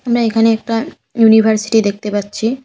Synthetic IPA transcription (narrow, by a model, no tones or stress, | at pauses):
amɾaekʰaneɛk̚ʈa | junibʱaɾsi̥ʈid̪ek̚ʰt̪epatːɕʰi